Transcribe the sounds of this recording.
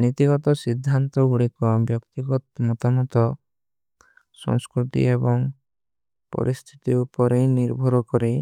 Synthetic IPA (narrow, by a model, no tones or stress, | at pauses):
nit̪iɡɔt̪ɔsid̪ʱːant̪ɔɡuɽikɔbjɔkt̪iɡɔt̪mɔt̪amɔt̪ɔ | sɔ̰ŋskɾut̪ḭebɔŋ | pɔ̰ɾʔist̪ʰi̥t̪iupɔɾeniɾbʱɔɾɔkɔɾi